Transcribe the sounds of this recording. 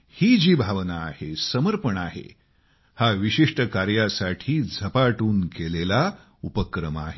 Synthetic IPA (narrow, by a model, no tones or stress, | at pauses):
hiːd͡ʑiːbʱaʋnaːhesəməɾpəɳaɦḛ | haʋiɕiʂʈəkaɾjasaʈʰiːd͡zʱəpaʈuːnkelela | upəkɾəma̰ɦe